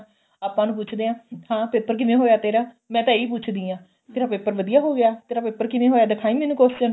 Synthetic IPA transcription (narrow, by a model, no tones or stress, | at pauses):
aːpãːnũːp̬ʊt͡ʃʰd̪eːãːhãːpeːpəɾk̬ɪʋẽːɦoːjaːt̪eːɾaː | mɛ̃ːt̪ãːiːp̬ʊt͡ʃʰd̪ĩːãː | t̪eːɾaːpeːpəɾʋəd̪ijaːɦoːɡjaːt̪eːɾaːpeːpːəɾkɪʋẽːɦoːjaːd̪ɪkʰaːiːmɛːnũːkoːsd͡ʒən